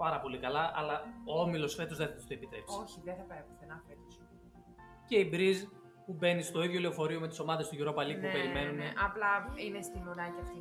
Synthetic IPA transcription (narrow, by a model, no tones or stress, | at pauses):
pɐɾɐpo̞likɐlɐʔɐ̰lɐoo̞milo̞sfe̞t̪o̞zðeθɐt̪u̥st̪oepit̪ɾe̞psioçiðeθɐpeepθenɐfet̪os | ce̞ibɾiz | pube̞nist̪o̞iðʝjo̞leofo̞ɾio̞me̞t̪iso̞mɐðest̪ʝiɾo̞pɐlipupe̞ɾime̞nuneʔɐplɐinest̪inuɾɐciɐft̪i